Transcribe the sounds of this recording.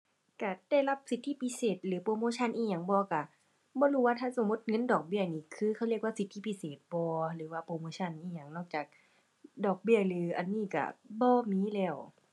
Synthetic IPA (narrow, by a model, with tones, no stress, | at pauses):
ka˧˩da˧˩jla˧˥˩p̚si˨˦t̪ʰːi˧˥˨pi˧˥˨seː˨˩t̪̚lɯː˨˦poː˧moː˧˦t͡ɕʰa˧˨nʔiː˧˨ɲa˧˩ŋbɔː˧˦ka˧˩ | bɔː˧˦luː˧waː˧t̪ʰaː˧˥˨so˨˦mːo˧˥˦t̪̚ŋɤ˧˥˨ndɔː˨˩k̚bi˧˩ɐniː˧˨kʰɯː˧kʰa˧˩˨li˧˩ək̚waː˧˨si˨˦t̪ʰːiː˧pʰi˧seː˨˩t̪̚bɔː˧˦lɯː˨˩˦waː˧˩poː˧˦moː˧˦t͡ɕʰa˧˨nʔiː˧˨ɲa˧˩ŋnɔː˧˩k̚t͡ɕaː˨˩k̚ | dɔː˨˩k̚bi˧˩əlɯː˨˦ʔa̰˧˨nːiː˧˥˩ka̰˧˩bɔː˧miː˧˥˨lɛː˧˩w